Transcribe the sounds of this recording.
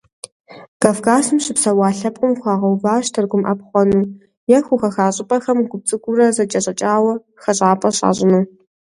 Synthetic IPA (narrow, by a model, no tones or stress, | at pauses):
kafkʰaːsɨmɕɪpsɐwaːɬɐpʼqʼʊmχʷɑːʁɐwbaːʃtʰɨrɡʷʊmʔɐ̰pχʷɔnuː | jɛxʷuxɐxaːɕʼɪpʼɐxɐmɡʷʊp̚t͡sʼɨɡʷʊrɐzɐt͡ʃʼɐɕʼɐt͡ʃʼaːwɐ | xɐɕʼaːpʼɐɕʼa̰ːɕʼɪnuː